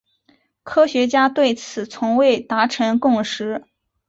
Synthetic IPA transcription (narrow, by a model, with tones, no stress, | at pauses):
kʰɤ˥ɕɥɛ˧˥t͡ɕja˥t̪we˥˩ɪt͡sʰɹ̩˨˩t͡sʰʊ˧˥ŋwe˥˩ɪt̪a˧˥ʈ͡ʂʰɤ˧˥ŋkʊ˥˩ŋʂɻ̩˧˥